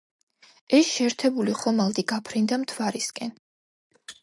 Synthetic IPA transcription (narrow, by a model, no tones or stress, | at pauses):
ɛsʃɛːɾt̪ʰɛbuliχɔmalˠd̪iɡapʰɾind̪amt̪ʰwaɾiskʼɛn